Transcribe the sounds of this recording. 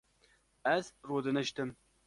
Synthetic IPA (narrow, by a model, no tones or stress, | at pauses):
ɛzroːd̪ɨnɨʃt̪ɨm